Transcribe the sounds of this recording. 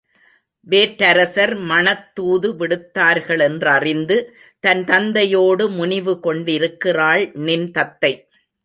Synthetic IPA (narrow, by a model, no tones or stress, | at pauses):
ʋeːʈːɐɾɐsɐɾmɐnɐt̪ːuːðɯʋɪɽɯt̪ːaːɾɣɐɭɛndrɐrɪnd̪ɯ | t̪ɐnt̪ɐnd̪ɐjoːɽɯmʊnɪʋɯkɔɳɖɪɾɯkːɪraːɭnɪnt̪ɐt̪ːɐɪ